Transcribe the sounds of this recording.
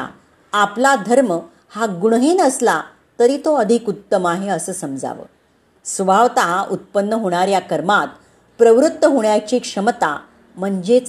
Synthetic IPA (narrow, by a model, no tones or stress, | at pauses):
a̰ | aplad̪ʱəɾmə | haɡuɽɦenəsla | t̪əɾiːt̪oəd̪ʱikut̪ːəmaɦeəsəːsəmd͡za̰ʋə̰ː | sbʱaʋt̪aɦaʔut̪̚pənːəɦoɽ̃aɾjakəɾmat̪ | pɾəʋɾut̪ːəɦoɳjat͡ɕiːkʂəmət̪a̰ | m̤əɳd͡ʑet͡s